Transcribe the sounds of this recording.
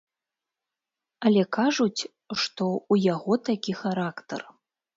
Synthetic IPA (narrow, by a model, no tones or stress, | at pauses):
ɐlʲɛkaʐut͡sʲ | ʂt̪ɔujaɣɔt̪akʲixaɾakt̪ɐ̰r